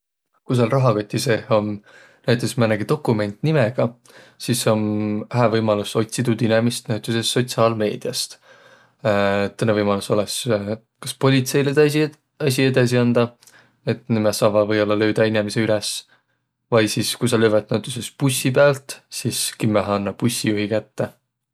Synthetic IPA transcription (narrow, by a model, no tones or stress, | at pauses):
kus̬ɑlrɑɦɑkot̪ʲːise̞ho̞n | næjt̪ːˑesmænːeɡid̪o̞kːˑume̞nʲt̪nimeɡ̥ɑ | siso̞næɦævɤjmɑluso̞t̪ʲsit̪ud̪inemist̪næt̪ːˑuse̞st̪ːo̞t̪siɑːlme̞ːd̪̥iɑst̪ | t̪ːɤnevɤjmɑluso̞les | kɑ̥spo̞lʲit̪se̞jled̪ | ɑs̬ʲie̞d̪̥ɑs̬iɑnd̪̥ɑ | e̞t̪ˑnimesɑːvɑvɤjo̞lːɑlø̞ːd̪ɑinemese̞ylɛs | vɑjsiskujsɑløːvet̪̚næwt̪ːˑuse̞spusʲːipeælt̪siskimːæɦɑɑnːɑpusʲːijuɦikæt̪ːe